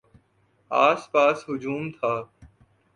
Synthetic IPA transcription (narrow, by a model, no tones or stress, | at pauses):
aːspaːsɦʊd͡ʒuːmt̪ʰaː